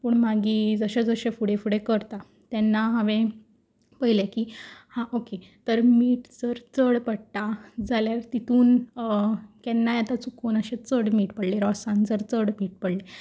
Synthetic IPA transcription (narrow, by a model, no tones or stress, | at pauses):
pəɳmaɡiːd͡zəɕad͡zəɕefuɽefuɽekəɾt̪a | t̪ɛnːaɦaʋẽ | pəɦilekiːhãʔoket̪əɾmiːʈd͡zəɾt͡səɽpəɽt̪ad͡zʱaljaɾt̪it̪uːn | kɛnːajat̪at͡sukoːnəɕet͡səɽmiːʈpəɽleɾɔsãnd͡zəɾt͡səɽmiːʈ̚pəɽle